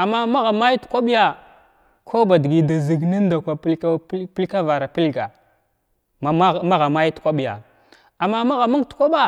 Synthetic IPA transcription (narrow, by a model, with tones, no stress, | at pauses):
a˨mːa˦ma˦ɣa˨ma˦ji˦tkʷa˦ɓi˦ja˨ | kʰo˦ba˨di˨ɡi˨da˨zi˨ɡni˦n˦da˨kʷa˨˦pi˦lka˦va˨ɾa˨pi˦lɡa˨ | ma˨a˦˨ma˦ɣa˨ma˦ji˦tu̥˨kʷa˦ɓi˨ja̰˨ | a˨mːa˦ma˦ɣa˨ma˦ŋ˦tkʷa˦ɓa˦